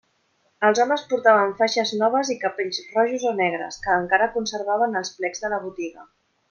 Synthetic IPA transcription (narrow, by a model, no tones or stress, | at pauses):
əlˠzɔməspuɾt̪aβ̞əɱfaʃəznɔβ̞əzikəpeʎzrɔʒuzonɛɣ̞ɾə̰skəːŋkaɾəkunsəɾβaβənəlˠsplɛɡzðələβ̞ut̪iɣə